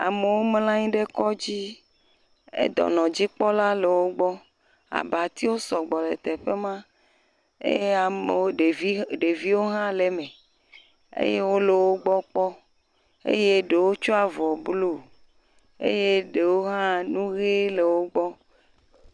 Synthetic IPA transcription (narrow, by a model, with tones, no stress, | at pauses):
a̰˨me˨wo˦mlã˦ɲĩ˦ɖe˦kɔ˦d͡ʑi˦ | ḛ˦d̪ɔ̰˨nɔ̃˨d͡ʑi˦k͡pɔ˦la˦le˨wo˦ɡ͡bɔ˦ | a̰˨ba˨t̪i˦wo˦sɔ˨ɡ͡bɔ˨lḛ˨t̪e˨ɸe˦mã˦ | ḛ˦je˦a˨me˨o˦e˨˦ɖe˨vi˦wo˦ɦã˦le˨mẽ˨ | ḛ˦je˦wo˦le˨wo˦ɡ͡bɔ˦k͡pɔ˦ | ḛ˦je˦ɖe˨wo˦t͡ʃu˦a˨vɔ˨blu˦˨ | ḛ˦je˦ɖe˨wo˦ɦã˦nũ˦ɣe˦le˨wo˦ɡ͡bɔ˦